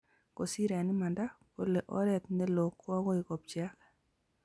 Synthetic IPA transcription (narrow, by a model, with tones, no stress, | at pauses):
ko˨si˦ɾa˨nɪ˦ma˨nda˦po˦le˨ʔɔ˦ɾɛ˨t̪ne˦lo˨kːa˦kɔ˦ɪ˨kɔ˨p̚t͡ʃja˦k